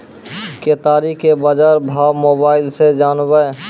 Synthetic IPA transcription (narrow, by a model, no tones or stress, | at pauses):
ket̪aːɾikʰːebad͡ʒaːɾbʱaːwmoːbaːɪlsed͡ʒaːnbəe